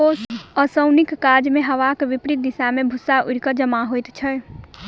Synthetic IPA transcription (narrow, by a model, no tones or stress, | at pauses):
oəsəʊnikːad͡ʒmeɦəʋakʋipɾit̪̚d̪ɪsamebʱusaʔuɾkəd͡ʒəmaɦojt̪t͡ʃʰəj